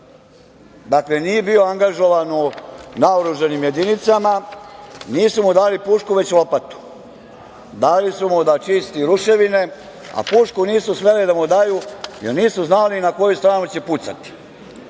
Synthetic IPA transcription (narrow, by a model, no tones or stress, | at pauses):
d̪akle̞niːje̞bioaŋɡaʒo̞ʋanunaoɾuʒanimje̞d̪init̪sama | niːsumud̪aːlipuːʃkuʋe̞t͡ɕuopat̪u̥ | d̪aːlisumud̪at͡ʃist̪iɾuʃe̞ʋine̞ | a̰puːʃkuniːsusʋe̞lid̪amud̪ajujeɾniːsuznaːlinako̞just̪ɾaːnut͡ɕe̞put̪sa̰t̪i̥